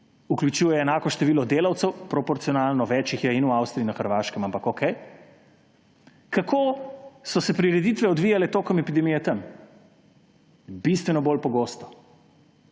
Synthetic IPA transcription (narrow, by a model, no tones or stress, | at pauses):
uklʲjut͡ʃuːjɛːnaːkɔʃt̪ɛʋiːlɔd̪eːlawt̪sɛwpɾɔpɔɾt̪sijɔnaːlnɔʋɛːt͡ʃixjɛinuawst̪ɾiinɐxəɾʋaːʃkɛmampakokʰɛj | kakʰoːsɔsɛpɾiɾɛd̪it̪ʋɛɔd̪ʋiːjalɛt̪oːkɔmɛpid̪ɛmijɛt̪ɐm | bist̪ʋɛnɔboːlpɔɡoːst̪ɔ̥